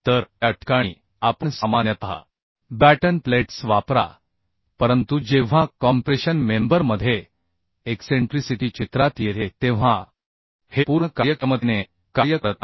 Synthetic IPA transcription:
t̪əɾaʈkaɽ̃ḭː | apəɳsamanjət̪ɦa̰ | bæʈənpleʈsʋapɾa̰ | pəɾənt̪ud͡ʑeʋ̤ãkɔmpɾeɕənmembəɾməd̪ʱje | ekseɳʈɾisiʈiːt͡ɕit̪ɾat̪jeɾet̪eʋ̤a | hepuɾɳəkaɾjəkɾəmət̪ine | kaɾjəkəɾət̪̚na

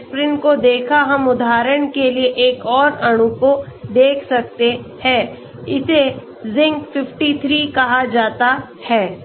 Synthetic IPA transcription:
spɾɪnkod̪eːkʰaɦɐmʊd̪ʱaːɾəɽ̃kelieʔeːkɔːɾɐɽ̃ukod̪eːkʰsɐk̚t̪ehɛː | ɪse | zɪ̃ŋkfɪfʈit̪ʰɾiːkɐɦad͡ʒaːt̪a | hɛː

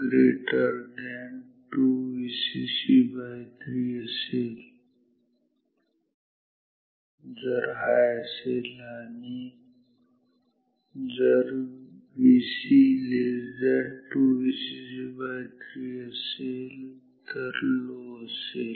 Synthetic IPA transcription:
ɡɾeːʈəɾd̪ɛn | ʈuʋisisibaɦt̪ɾiəseːl | d͡zəɾɦajselaːni | d͡zəɾbisilezɛʈuʋisisibat̪ɾiəseːl | t̪əɾloseːl

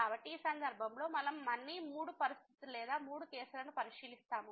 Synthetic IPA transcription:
aːbɐʈːiːsɐnd̪ɐɾbʱɐmlo̞ːmɐlɐmːɐnːimuːɽupɐɾist̪ʰit̪ilɛːd̪aːmuːɽukɛːsulɐnupɐɾiʃiːlist̪aːmu

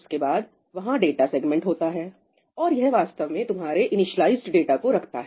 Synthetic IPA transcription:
skebaːd̪ | ʋɐɦãɖeːʈaseːɡmɛ̃ɳʈɦoːt̪aɦɛː | ɔːɾjɛɦʋaːst̪əʋmẽt̪ʊmɦaːɾeʔɪnɪʃəlaːɪzʈɖeːʈakoɾɐkʰt̪a̰ɦ

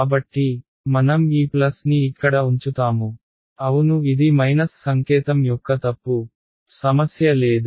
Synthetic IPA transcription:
kaːbɐʈːi | mɐnɐmiːplɐsniːkːɐɽɐuɲt͡ʃut̪aːmu | ɐwunuid̪imɐjnɐsːɐŋkɛːt̪ɐmjɔkːɐt̪ɐpːu | sɐmɐsjɐleːd̪u

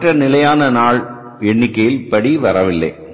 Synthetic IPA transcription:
ʈrɐnɪlɐjaːnɐnaːɭ | ɛɳːɪkːɐjɪlpɐɽiʋɐɾɐʋɪlːɐ̰ɪ

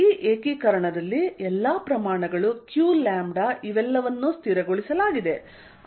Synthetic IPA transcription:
iːʔeːkikɐɾɐɳɐd̪ɐlːiɛlːapɾɐmaːɳɐɡɐɭukjuːlaːmɖaiʋɛlːɐʋɐnːust̪iɾɐɡoɭisɐlaːɡid̪e̞

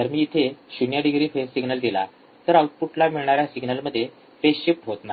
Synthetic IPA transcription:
d̪əɾmiːit̪ʰeɕunjaɖiɡɾiːfesːiɡnəld̪ila̰ | t̪əɾawt̪̚puʈlamiɭɳaɾjasiɡnəlməd̪ʱːje | fesɕep̚ʈɦot̪na

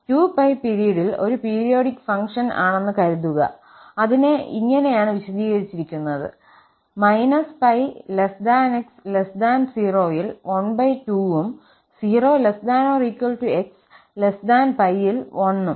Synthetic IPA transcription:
tuːpɐjpiɾijɐɽilo̞̰ɾupiːɾijo̞ːɽikːfɐŋkʂɐna̰ːɳe̞nːɨkɐɾuðuɣɐ̰ | ɐðineḭŋːɐne̞jaːɳɨʋiɕɐd̪iːɣɐɾit͡ɕːiɾikʲːunːɐðɨ̰ | mɐjnɐspɐjlesd̪aːnekslesd̪aːnsiːroːjilʋɐɳbɐjtuːum | siːro̞ːlesd̪aːnoːriːkːwɐlʈueks | lesd̪aːnpɐjːilʋʔɐnːum

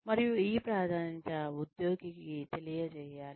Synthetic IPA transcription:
mɐɾjuiːpɾaːd̪ʱaːnint͡ʃɐud̪joːɡikit̪elijɐd͡ʒejaːl

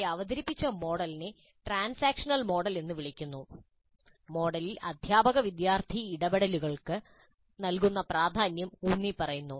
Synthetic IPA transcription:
ɐʋɐðɐɾipːit͡ɕːɐmo̞ːɽɐline | ʈraːnsaːkʂɐnɐlmo̞ːɽɐlenːɨʋiɭikʲːunːu | mo̞ːɽɐlilɐd̪ʱjaːbɐɣɐʋid̪jaːrt̪ʰiːɽɐbeɽɐluɣɐɭkɨ | nɐlkunːɐpraːd̪ʱaːnjɐmuːnːipɐrɐjunːu

